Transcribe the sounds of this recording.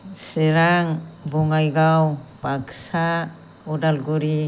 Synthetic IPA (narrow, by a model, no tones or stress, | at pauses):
seɾaŋbɔŋajɡawpaksa | ɔdalɡuɾi